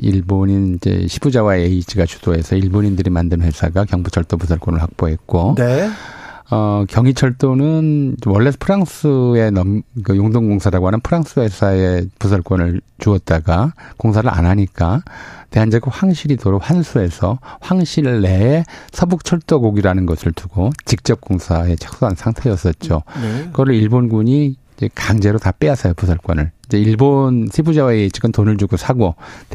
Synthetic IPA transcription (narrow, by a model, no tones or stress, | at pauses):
iɭboɲind͡ʑḛɕʰibud͡ʑawaeid͡ʑʰiɡat͡ɕu̥d̥oe̞sʰʌiɭboɲindɯɾimandɯnwe̞sʰaɡakjʌŋbut͡ɕʰʌɭt͈opusʰʌɭk͈onɯɭɸwak̚p͈oɦe̞t̚k͈o | ʌkjʌŋit͡ɕʰʌɭt͈onɯnwʌɭːepʰɯɾaŋsɯe̞nʌmkɯjoŋdoŋɡoŋsʰaɾaɡoɦanɯnpʰɯɾaŋs͈ɯwe̞sʰaepusʰʌɭk͈ʌnɯɭt͡ɕuʌt̚t͈aɡakoŋsʰaɾɯɾʔa̰nɦaɲik͈ate̞ɦand͡ʑʌɡɯɸwaŋɕʰiɾitoɾohwansʰue̞sʰʌɸwaŋɕʰiɾɭːe̞esʰʌbuk̚t͡ɕʰʌɭt͈oɡoɡiɾanɯnɡʌsʰɯɭtuɡot͡ɕik̚t͡ɕ͈ʌp̚k͈oŋsʰae̞t͡ɕʰʌ̥k̚s͈oansʰaŋtʰe̞jʌs͈ʌt̚t͡ɕ͈okʌɾɯɭiɭbonɡuɲi | d͡ʑekaŋd͡ʑe̞ɾotap͈easʰʌjopusʰʌɭk͈wʌnɯɭid͡ʑeiɭbonsʰebud͡ʑaweet͡ɕik͈ɯmtonɯɭd͡ʑuɡosʰaɡot